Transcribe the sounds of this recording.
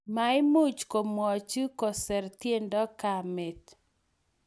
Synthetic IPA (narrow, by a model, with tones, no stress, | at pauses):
ma˨ɪ˦mu˦t͡ʃko˨mwɔ˨t͡ʃɨ˦kɔ˨sɛ˨ɾtje˦ndɔ˦ka˨me˨t̪